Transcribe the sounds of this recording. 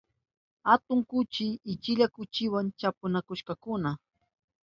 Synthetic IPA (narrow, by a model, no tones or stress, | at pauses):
hat̪ʊŋkʊt͡ʃɪɪt͡ʃɪʎakʊt͡ʃɪwant͡ʃapʊnakʊʃkakʊna